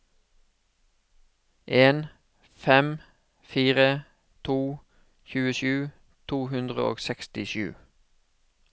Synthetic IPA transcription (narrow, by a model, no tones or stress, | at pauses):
ʔeːn | fɛm | fiːʁə | t̪ʰuː | çʉːəʃʉː | t̪ʰuːhʉnd̪ʁə̰o̰ːɡsɛkst̪ɪʃʉ̰ː